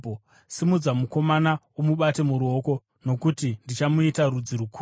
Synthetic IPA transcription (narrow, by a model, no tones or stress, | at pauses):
o | simud͡zamuko̞mana | omuɓate̞muɾuo̞ko̞ | no̞kutindit͡ʃamuitarud͡ziɾukʰu